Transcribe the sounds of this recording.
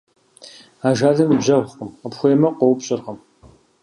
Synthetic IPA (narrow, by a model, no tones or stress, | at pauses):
aːʒaːɮɐmibʑɐwqəmqəpxʷeːmɐqʷɔwpɕʼɪrʁəm